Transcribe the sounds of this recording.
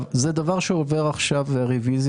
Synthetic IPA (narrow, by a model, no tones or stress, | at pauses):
vzed̪avaʁʃeove̞ʁaχʃavaʁeviz